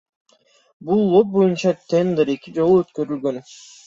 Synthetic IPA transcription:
bulˠːo̞p̚bo̞junt͡ʃɑt̪ʰend̪eɾe̞kid͡ʒo̞lˠuøt̪kø̞ɾylɡøn

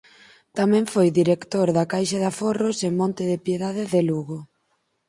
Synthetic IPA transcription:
t̪amɛ̃ɱfojðiɾekt̪oɾðakajʃaðaforosemɔ̃nt̪ɪðɪpjeðaðɪðeluɣʊ

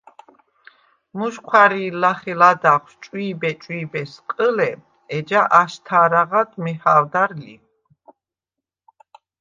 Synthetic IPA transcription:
muʃkʰwaɾiːlaχɛlad̪aχst͡ʃʼwiːbɛt͡ʃʼwiːbɛsqʼəlɛ | ɛd͡ʒaʔaʃt̪ʰaːɾaʁad̪mihaːwd̪aɾlḭ

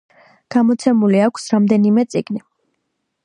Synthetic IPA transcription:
ɡ̥amɔt̪sʰɛmuliakʷʰsɾamd̪ɛnimɛt̪sʼiɡni

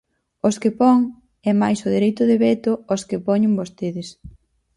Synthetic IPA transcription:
oskɪpɔŋ | ɛmajsʊðeɾejt̪ʊðeβɛt̪ooskɪpɔɲeŋbost̪eðɪs

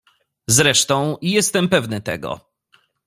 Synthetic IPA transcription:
zɾɛʂt̪ɔ̃w̃ijɛst̪ɛmpɛvnɘt̪ɛ̰ɡɔ̰

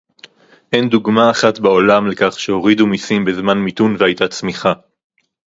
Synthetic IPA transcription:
ʔenduɡmaːχat̪bao̞lamlekaχʃeo̞ʁidumisimbezmanmitunvehajt̪at͡smiχa

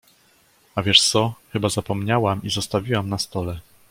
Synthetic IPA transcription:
avʲjɛʂt̪sɔxɘbazapɔmɲawamizɔst̪avʲiwamnast̪ɔlɛ

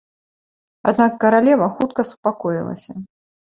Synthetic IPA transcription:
a̰d̪nakːɐɾalʲɛvɐxut̪kɐsu̥pakɔjḭlˠɐ̰sʲɐ

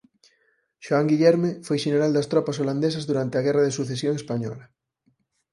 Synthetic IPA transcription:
ʃoaŋɡiʎɛɾmefojʃeneɾald̪ɐst̪ɾɔpasoland̪esazðuɾant̪eaɣɛraðesuθesjoŋespaɲɔ̰la

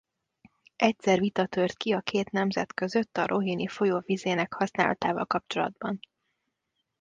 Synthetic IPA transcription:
ɛcsɛrvit̪ɒt̪øːrt̪kiɒkʰeːt̪nɛmzɛ̰t̪kø̞zø̞t̪ːɒɾʔo̞ɦinifo̞joːvizeːnɛkhɒsnaːlɒ̰t̪aːvɒ̰lkɒpt͡ʃo̞lɒ̰d̪bɒn

